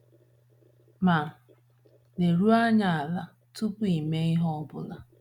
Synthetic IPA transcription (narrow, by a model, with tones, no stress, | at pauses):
ma˨ | ne˨ɾu˦a˦ɲa˨a˨la˨ | tu˦pʊ˦i˨me˦i˦ɦɔ˦bʊ̰˦la˨